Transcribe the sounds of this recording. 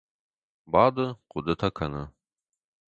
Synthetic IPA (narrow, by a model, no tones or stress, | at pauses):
baːdɨqʷʊdɨtʰɐkʰɐnɐ